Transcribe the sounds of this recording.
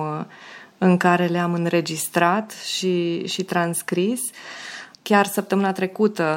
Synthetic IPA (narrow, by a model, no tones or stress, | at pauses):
ɨŋkaɾe̞leamɨnɾe̞d͡ʒist̪ɾat̪ʃiʃit̪ɾanskɾis | kʲarsəp̚t̪əmɨnat̪ɾe̞kut̪ə